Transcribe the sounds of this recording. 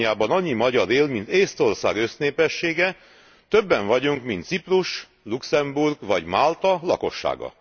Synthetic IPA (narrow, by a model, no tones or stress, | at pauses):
jaːbɒnɒɲːimɒɟɒɾeːlmint̪eːst̪o̞rsa̰ːɡøsneːpɛʃːeːɡɛ | t̪ø̞bːɛɱvɒɟuŋkmint̪sipruʃ | luksɛmburɡʋɒɟmaːlt̪ɒlɒ̰ko̞ʃːa̰ːɡɒ̰